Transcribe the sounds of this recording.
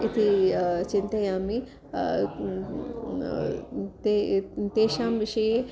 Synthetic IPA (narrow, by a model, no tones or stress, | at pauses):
ɪt̪ʰit͡ʃɪ̃nt̪ɐjaːmi | t̪et̪eːʃaːmʋɪʃɐje